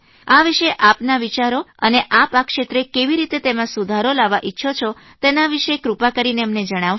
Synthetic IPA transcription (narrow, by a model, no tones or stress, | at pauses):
aʋiʃeʔapnaʋit͡ʃaɾoə̰neʔapakʃet̪ɾekeʋiɾit̪et̪emãsud̪ʱaɾolaʋaʔitːʃʰot͡ʃʰo | t̪enaʋiʃekɾupakəɾineəmned͡ʒəɽ̃aʋ